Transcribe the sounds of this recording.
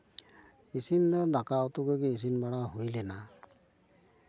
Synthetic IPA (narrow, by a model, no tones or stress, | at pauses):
isinɔdakawtʊkokiis̬inbaɹaɦojlɛna